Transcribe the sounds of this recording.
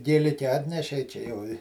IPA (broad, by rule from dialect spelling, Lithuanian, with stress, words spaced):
ɡʲeːˈlʲɪkʲɛ ˈɑːtʲnʲɛʃʲɛɪ ˈt͡ʃʲɛ jɛʊ ɪ